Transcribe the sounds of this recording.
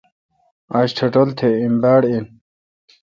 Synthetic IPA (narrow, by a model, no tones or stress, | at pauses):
aɕʈʰɐʈɐlt̪ʰeimbaːɽin